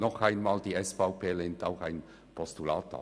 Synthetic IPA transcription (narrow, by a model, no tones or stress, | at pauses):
nɔχaɪnmaːldiːɛsfaʊpeːlɪntaʊxaɪn | pʰɔstula̰ːta̰